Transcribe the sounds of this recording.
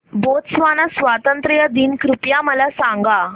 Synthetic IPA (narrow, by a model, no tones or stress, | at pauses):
bot̪sʋanasʋat̪ənt̪ɾəjad̪inkɾupjaməlasãŋɡa